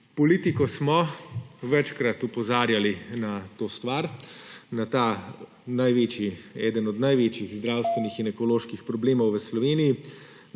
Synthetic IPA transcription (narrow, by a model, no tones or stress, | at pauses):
pɔliːt̪ikɔsmɔʋɛt͡ʃkɾat̪upɔzaːɾjalinat̪oːst̪ʋaɾnat̪a | najʋeːt͡ʃiɛːd̪ənɔd̪najʋeːt͡ʃjiɣzd̪ɾawst̪ʋɛnixinɛkɔloːʃkixpɾɔbleːmɔwʋəslɔʋeːniji